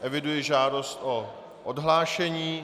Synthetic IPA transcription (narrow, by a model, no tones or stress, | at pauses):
ʔɛvɪdujɛʒaːdost̪ʔo | ʔodɦlaːʃɛɲiː